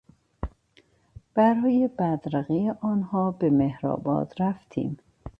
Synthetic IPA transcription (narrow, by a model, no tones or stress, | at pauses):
b̥æɾɒːjebæd̪ɾæɣijeʔɒːnhɒːbemehɾɒ̰ːbɒ̰ːd̪ɾæft̪ʰḭːm